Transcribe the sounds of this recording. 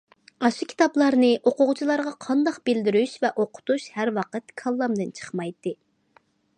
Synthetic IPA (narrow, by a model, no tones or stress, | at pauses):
ɑʃukʲʰi̥t̪ɑplˠɑɾnɨʔoqʊʁt͡ʃʰilˠɑɾʁɑqʰɑnd̪ɑqbɪld̪ɪɾyʃvɛʔoqʰʊ̥t̪uʃhæɾwɑqət̪kʰɑlˠːɑmd̪ɨnt͡ʃʰə̥χmɑjt̪ːɨ